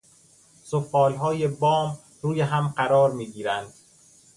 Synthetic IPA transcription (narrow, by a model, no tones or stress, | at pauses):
sofɒːlɦɒːjebɒːm | ɾuːjeɦæmɢæɾɒːɾmiːɡiːɾænd̪̥